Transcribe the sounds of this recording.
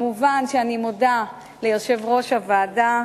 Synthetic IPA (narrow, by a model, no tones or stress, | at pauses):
muvanʃeanimoda | lejoʃe̞vʁo̞ʃavaːda